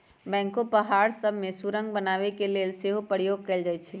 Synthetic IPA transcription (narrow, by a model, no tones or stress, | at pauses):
bɛ̃ŋkopəɦaɾsəbʱmesuɾə̃ŋɡ̚bənaʋekelelseɦopəɾijoɡ̚kɛld͡ʒajt͡ʃʰɛ